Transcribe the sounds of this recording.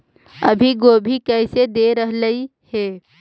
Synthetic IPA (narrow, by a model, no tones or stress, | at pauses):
ə̰bʱiɡoːbʱikɛɪsed̪eɾəɦləihɛː